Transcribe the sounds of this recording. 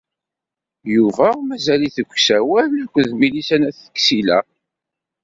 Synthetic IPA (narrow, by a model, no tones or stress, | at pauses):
juvæmæzæliθəɡʷːsæwælkʷːəðmilisænæθə̥kːsilæ̰